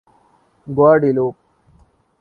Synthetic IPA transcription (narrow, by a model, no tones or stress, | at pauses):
ɡwaːɖiloːp̚